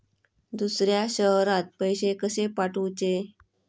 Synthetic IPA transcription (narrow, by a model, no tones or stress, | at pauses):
d̪usɾjaɕəɦɾãt̪̚pəjɕekəsepaʈut͡ɕe